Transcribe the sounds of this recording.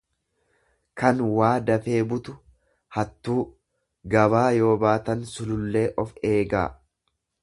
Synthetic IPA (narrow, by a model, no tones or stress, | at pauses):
kɐnwaːd̪ɐfe̞ːbʊt̪ʊ | hɐt̪ːuː | ɡɐβaːjo̞ːbaːt̪ɐnsʊlʊlːe̞ːʔɔfe̞ːɡa̰ː